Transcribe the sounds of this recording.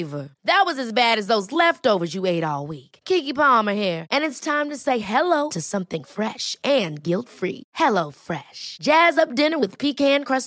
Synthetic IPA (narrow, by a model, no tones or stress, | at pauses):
və˞ðɨt̚wʌzɨzbæɾɨzðoʊzlɛftoʊvə˞zjɨeɪɾɔlˠwikkʰikipɑmə˞hiɹʔɨ̃nɨtstʰãɪ̃mtɨseɪɦɛloʊɾɨsʌ̃mθɪ̃ŋfɹɛʃʔɨ̃nɡɪlˠtfɹḭhɛloʊfɹɛʃd̥ʒ̥æzʌp̚d̥ɪ̃nə˞wɨð̥pʰikæ̃nkʰɹ̥ʌs